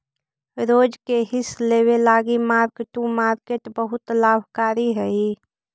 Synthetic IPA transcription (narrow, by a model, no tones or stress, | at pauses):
ɾoːd͡ʒkeɦɪsleːwelaːɡimaːɾkʈũmaːɾkeʈbəɦʊt̪laːbʱkaːɾiɦəi